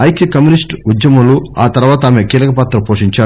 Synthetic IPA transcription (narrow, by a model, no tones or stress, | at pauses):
ɐjkjɐkɐmjunisʈud̪jɐmɐluaːt̪ɐɾʋaːt̪ɐaːmekiːlɐkɐpaːt̪ɾɐpoːʂiɲt͡ʃaː